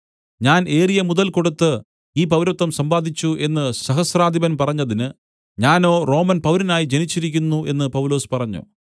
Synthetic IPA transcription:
ɲaːne̞ːrijɐmuðɐlko̞ɽut̪ːɨ | iːpɐʋɾɐt̪ːɐmsɐmbaːd̪ʱit͡ɕːuʔe̞nːɨsɐɦɐsraːd̪ʱibɐnpɐrɐɲːɐðinɨ | ɲaːno̞ːro̞ːmɐnpɐʋɾɐnaːjid͡ʑe̞nit͡ɕːiɾikʲːunːuʔe̞nːɨpɐwlo̞ːspɐrɐɲːṵ

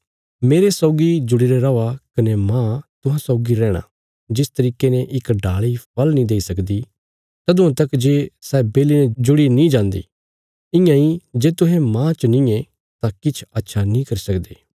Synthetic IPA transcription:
meːɾesɔːɡid͡ʒʊɽiɾeɾɐakɐnemãːt̪ʊɦãsɔːɡiɾɛːɽ̃ã̰ | d͡ʒɪst̪ɐɾiːkeneʔɪkɖaːɭipʰɐlnĩd̪eːisɐkd̪i | t̪ɐd̪ʊ̃ãt̪ɐkd͡ʒeːsɛːbeːlined͡ʒʊɽinĩd͡ʒãːnd̪ḭː | ɪ̃jãid͡ʒeːt̪ʊɦɛ̃mãːt͡ʃnĩe | t̪ãkɪt͡ʃʰɐtːʃʰanĩkɐɾisɐkd̪eː

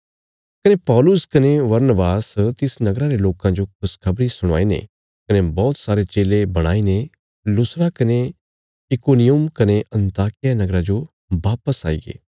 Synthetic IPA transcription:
kɐnepɔːlʊskɐneʋɐɾnəbaːst̪ɪsnɐɡɾaɾeloːkãd͡ʒokʰʊskʰɐbɾisʊɽ̃a̰ːinḛ | kɐnebɔːt̪saːɾet͡ʃeːlebɐɽ̃a̰ːine | lʊsɾakɐne | ɪkoːnijʊmkɐneʔɐ̃nt̪aːkɪjanɐɡɾad͡ʒo | baːpəsaːḭɡḛː

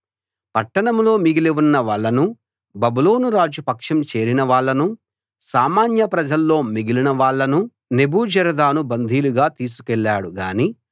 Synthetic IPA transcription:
pɐʈːɐɳɐmlo̞ːmiɡileʋunːɐʋaːɭːɐnu | bɐbuloːnuɾaːd͡ʒupɐkʂɐmt͡ʃe̞ːɾinɐʋaːɭːɐnu | saːmaːnjɐpɾɐd͡ʒɐlːo̞ːmiɡilinɐʋaːɭːɐnu | ne̞buːd͡ʒɐɾɐd̪aːnubɐnd̪ʱiːluɡaːt̪iːs̬u̥kɛɭːaːɽuɡaːniː

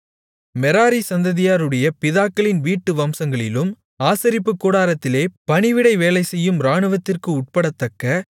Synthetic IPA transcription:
mɛɾaːɾisɐnd̪ɐðɪjaːɾɯɽɐjɐpɪðaːkːɐɭɪnʋiːʈːɯʋɐmsɐŋɡɐɭɪ̰lɯm | aːsɐɾɪpːɯkːuːɽaːɾɐt̪ːɪleːpɐɳɪʋɪɽɐɪʋeːlɐɪsɛjːɯmɾaːɳɯʋɐt̪ːɪrkɯʊʈ̚pɐɽɐt̪ːɐkːɐ

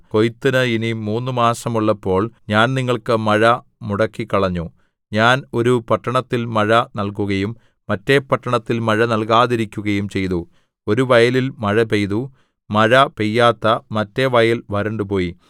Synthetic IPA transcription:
ko̞jt̪ːɐnɐinimuːnːumaːsɐmuɭːɐpːo̞ːɭɲaːnniŋːɐɭkɨmɐɻɐ | muɽɐkːikːɐɭɐɲːu | ɲaːno̞ɾupɐʈːɐɳɐt̪ːilmɐɻɐnɐlkuɣɐjumː | ɐtːe̞pɐʈːɐɳɐt̪ːilmɐɻɐnɐlkaːðiɾikʲːuɣɐjumt͡ɕe̞jðu | o̞ɾuʋɐjɐlilmɐɻɐpejðu | mɐɻɐpejːaːt̪ːɐmɐtːe̞ʋɐjɐlʋɐɾeɳɖɨpo̞ːji

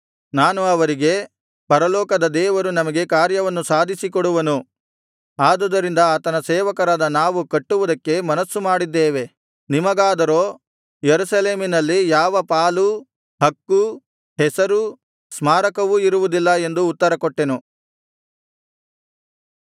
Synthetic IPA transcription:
naːnuɐʋɐɾiɡe̞ | pɐɾɐlɔːkɐd̪ɐd̪ɛːʋɐɾunɐmɐɡe̞kaːɾjɐʋɐnːusaːd̪ʱisikɔɽuʋɐnu | aːd̪ɐd̪ɐɾind̪ɐːt̪ɐnɐsɛːʋɐkɐɾaːd̪ɐnaːʋukɐʈːuʋud̪ɐkːe̞mɐnɐsːumaːɽid̪ːɛːʋe̞ | nimɐɡaːd̪ɐɾo̞ː | jeɾusɐleːminɐlːijaːʋɐpaːlu | hɐkːu | ɦɛsɐɾu | smaːɾɐkɐʋuiɾuʋud̪ilːɐe̞nd̪uːt̪ːɐɾɐkɔʈːe̞nu

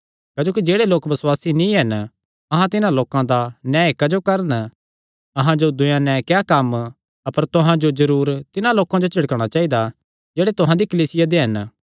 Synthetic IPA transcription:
kɐːd͡ʒoːk̬id͡ʒeːɽeloːkbɐswaːsinĩɦɐn | ɐɦãt̪ɪnãloːkãd̪anãːekɐd͡ʒokɐɾən | ɐɦãd͡ʒod̪ʊjãnɛ̃kɛkɐm | ɐpəɾt̪ʊɦãd͡ʒozɐɾuːɾt̪ɪnãloːkãd͡ʒot͡ʃʰɪɽkəɽ̃at͡ʃaːid̪a | d͡ʒeːɽet̪ʊɦãd̪ikɐliːsɪjad̪eɦɐn

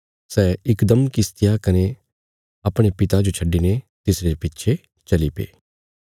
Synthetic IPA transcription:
sɛːɪkd̪əmkɪst̪ɪjakɐne | aːpɽ̃epɪt̪ad͡ʒot͡ʃʰɐɖːinet̪ɪsɾepɪtːʃʰe | t͡ʃɐlipḛː

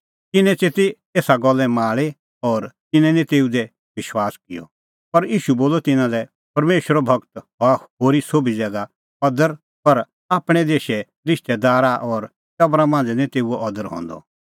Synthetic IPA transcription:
kɪnɛ̃t͡seːt̪e | eːsaɡɔlːɛmaːɭe | ɔːɾt̪ɪnɛ̃nɛ̃t̪eːud̪ɛ | ʋɪʃwaːskɪjɔ̰ | pɐɾiːʃuboːlɔt̪ɪnãlɛ | pɐɾmeːʃəɾɔbʱɐkt̪ɦahoːɾisoːbʱid͡zɛːɡa | ɔd̪əɾ | pɐɾ | aːpɽ̃ɛd̪eːʃɛ | ɾɪʃt̪ɛd̪aːɾaʔɔːɾ | t͡ʃɐbɾãmãːnd͡znɛ̃t̪eːuɛɔd̪əɾɦɔ̰̃ːnd̪ɔ̰

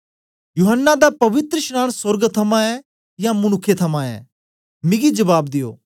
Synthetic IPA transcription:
juɦənːad̪apɐʋɪt̪ɾəʃnaːñsəɾɡt̪ʰɐmãɛ | jãmʊnʊkʰːet̪ʰɐmãɛ̰ː | mɪɡid͡ʒɐbaːb̚d̪ɪjo̰ː

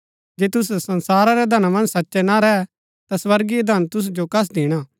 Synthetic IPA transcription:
d͡ʒeːt̪ʊs̬sɐnsaːɾaɾɛd̪ʱɐnamɐ̃nd͡ʒsɐtːʃɛnaɾɛɛ | t̪aswɐɾɡijɐd̪ʱɐnt̪ʊs̬d͡ʒokɐs̬d̪ɪɽ̃aː

